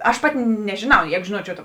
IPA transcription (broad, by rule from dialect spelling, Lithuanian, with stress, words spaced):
ɐʃ ˈpɑːtʲɪ nʲɛʒʲɪˈnɐʊ ˈjɛɪɡʊ ʒʲɪˈnuɔt͡ʃʲɛʊ tɐ